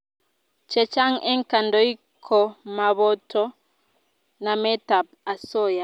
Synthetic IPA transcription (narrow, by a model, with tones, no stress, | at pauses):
t͡ʃɛ˨t͡ʃa˦ŋɛ˦ŋ˨ka˨ndɔ˨˦i˦ | kʰɔ˨ma˨βɔ˦tɔ˦ | na˨mɛ˦ta˨p̚a˨sɔ˦˨ja˨